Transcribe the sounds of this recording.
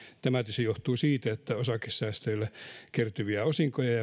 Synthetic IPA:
t̪æmæt̪ysejoht̪uːsiːt̪æet̪ːæosɑkesːæːst̪øilːækert̪yʋiæosiŋkojɑjɑ

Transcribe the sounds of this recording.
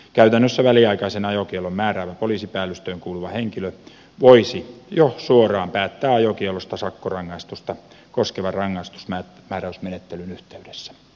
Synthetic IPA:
kæyt̪ænːøsːæʋæliɑikɑisenɑjokielommæːɾæːʋæpoliːsipæːlːyst̪øːŋkuːluʋɑheŋkilø | ʋoisijosuorɑːmpæːt̪ːæːɑjokielost̪ɑsɑkːorɑŋːɑist̪ust̪ɑ | koskeʋɑrɑŋːɑist̪u̥smæː | mæːræysmenet̪ːelynyht̪eydesːæ̥

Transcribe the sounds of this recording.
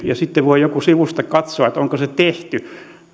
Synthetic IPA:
jɑsit̪ːeʋoijokusiʋust̪ɑkɑt̪soɑet̪oŋkoset̪eht̪y

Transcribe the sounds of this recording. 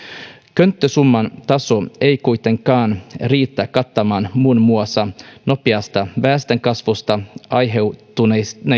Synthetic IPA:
kønt̪ːøsumːɑnt̪ɑso̞e̞jkujt̪e̞ŋkɑːnriːt̪ːækɑt̪ːɑmɑːnmunmuɑsɑno̞piɑst̪ɑʋæːst̪eŋkɑsʋost̪ɑɑjɦe̞wt̪unene

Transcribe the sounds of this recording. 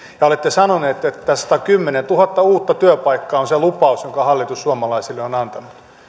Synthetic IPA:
jɑolet̪ːesɑnoneːt̪et̪ːæsɑ̥t̪ɑkymːenent̪uhɑt̪ːɑuːt̪ːɑt̪yøpɑikːɑːonselupɑusjoŋkɑhɑlːit̪usːuɑmɑlɑisilːeonɑnt̪ɑnut̪

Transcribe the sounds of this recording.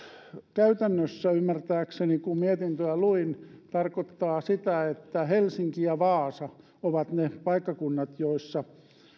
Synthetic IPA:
kæyt̪ænːøsːæymːært̪æːksenikummiet̪int̪øæluint̪ɑrkot̪ːɑːsit̪æet̪ːæhelsiŋkiɑʋɑːsɑ | oʋɑt̪nepɑikːɑkunːɑt̪joisːɑ

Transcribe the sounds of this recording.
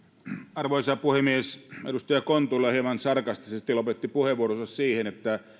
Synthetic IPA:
ɑrʋoisɑpuhemieseɾust̪ɑjɑkont̪ulːɑhiemɑnsɑrkɑst̪isest̪ilopet̪ːipuheʋuorosɑssiːhenet̪ːæ

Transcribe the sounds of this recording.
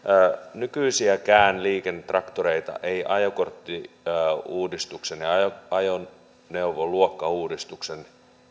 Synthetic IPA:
nykyisiækæːnliːkenːet̪rɑkt̪oɾeit̪ɑ̰ʔeiʔɑjokort̪ːi | uːdist̪uksenjɑɑoɑjo | nːeuʋoluokːɑuːdist̪uksen

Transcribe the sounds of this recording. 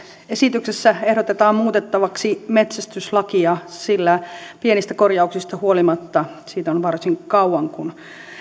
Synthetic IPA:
esit̪yksesːæehɾot̪et̪ɑːmmuːt̪et̪ːɑʋɑksime̞t̪sæst̪yslɑkiɑsilːæpienist̪ækorjɑuksist̪ɑhuolimɑt̪ːɑ | siːt̪onʋɑrsiŋkɑuɑŋkun

